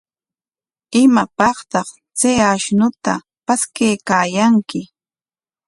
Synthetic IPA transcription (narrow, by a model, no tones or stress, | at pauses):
ɪmapɑχt̪ɑχ | t͡sejaʃnʊt̪a̰ | paskejkaːjaŋkɪ